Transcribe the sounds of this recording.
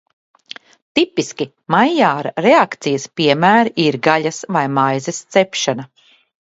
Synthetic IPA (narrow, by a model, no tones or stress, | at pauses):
t̪ipiskʲi | majjaːɾaɾɛakt̪sijɐspiɛmæːɾʔiɾɡaʎɐsvajmajzɛst̪sɛpʃana